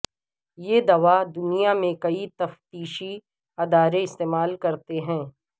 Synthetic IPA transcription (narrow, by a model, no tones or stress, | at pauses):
jeːd̪ɐʋad̪ʊnijamẽkɐit̪ɐft̪iːʃi | ɐd̪aːɾeɪst̪eːmaːlkɐɾt̪eɦɛ̃ː